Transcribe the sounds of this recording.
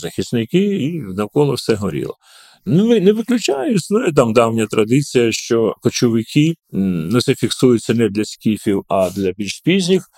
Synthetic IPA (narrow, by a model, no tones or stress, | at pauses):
zɐxʲisnɪkɪinɐkɔlˠɔwsɛɦɔɾʲḭlˠɔ̰ | nʊʋɪnɛʋɪklʲʊt͡ʃajʊsʲnɔjɛt̪̬ɑmd̪ɑwnʲɐt̪ɾɐd̪ɪt͡sʲijɐʃt͡ʃɔkɔt͡ʃɔʋɪkʰʲinʊt̪sɛfʲiksujʊt͡sʲːɐnɛd̪lʲɐsʲkʲifʲiwɐd̪lʲɐbʲilʲʃspʲizʲnʲix